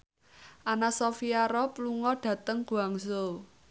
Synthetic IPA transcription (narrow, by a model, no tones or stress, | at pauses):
ʔanasɔfiaɾɔpluŋɔɖ̥ä̤t̪əŋɡ̥uaŋso